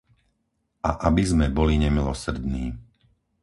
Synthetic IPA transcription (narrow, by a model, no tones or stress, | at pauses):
aʔabizmɛbɔliɲɛmilɔsɾ̩d̪niː